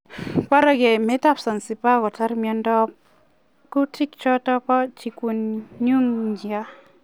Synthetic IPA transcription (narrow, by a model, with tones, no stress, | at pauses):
ka˦ɾa˦ɡe˨me˦ta˦psa˨nsi˨pa˦ɡɔ˨tʰa˦ɾmijɔ˧ndɔ˦p̚ | ku˦tʰi˦k̚t͡ʃɔ˦tɔ˦pɔ˦t͡ʃi˨ku˨nɲu˦ŋd͡ʒia˦